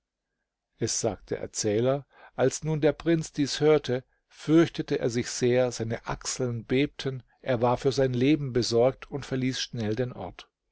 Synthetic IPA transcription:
ʔɛsz̥a̰ːk̚td̥ḛɐʔɛ̰ɐt͡sɛːlɐ | ʔalsnuːndeːɐpʁ̥ɪnt͡sd̥iːshøːɐtʰə | fʏɐçtətəʔḛːɐzɪçz̥eːɐzaɪnəʔa̰ksl̩nbeːp̚tʰən | ʔeːɐvaːɐfyːɐzaɪnleːbm̩bəzɔɐk̚tʰʊntfɛɐliːsʃnɛldeːnʔɔ̰ɐt

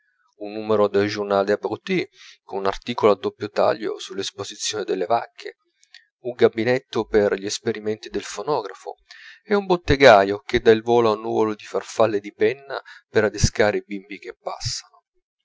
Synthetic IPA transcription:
unːuːmeɾod̪eld͡ʒurnaːleabɾut̪ikonuna̰rt̪iːkoload̪ːopːjot̪a̰ʎːo̰sulːespozit̪sːjoːnɪd̪elːeva̰kʰːḛ | uŋɡabinet̪ːʊperʎiɛspeɾimɛnt̪id̪elfonɔːɡɾafo̰ɛumbot̪ːeɡaːjok̟ed̪ailvɔːlaunːṵvolod̪ifarfalːed̪ipɛnːa̰peɾad̪eskaːɾeibimbik̟epːa̰sːano

